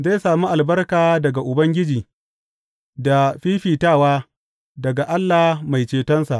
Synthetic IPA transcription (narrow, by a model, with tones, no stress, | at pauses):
za˦jsaː˨mu˦ʔa˨lbɐ˦rkaː˨dɐ˨ɡa˨ʔʊ˨bɐ˦ŋɡʲɪ˦d͡ʒiː˨ | da˨ɸiː˦ɸiː˨taː˦˨waː˦ | dɐ˨ɡa˨ʔa˦lːa˨ma˨jt͡ʃeː˨tɐ˦nsa˨ʔ